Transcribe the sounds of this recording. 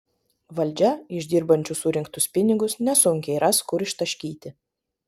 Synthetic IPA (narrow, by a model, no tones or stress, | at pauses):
ʋɐlʲˑd͡ʒʲɛɪʒʲd̪ʲiːɾbɐnʲt͡ʃʲʊsʊɾʲɪŋkt̪ʊspʲɪnʲɪɡʊsnʲɛsʊŋʲkʲɛɪɾɐskʊɾɪʃt̪ɐʃʲkʲiːt̪ʲɪ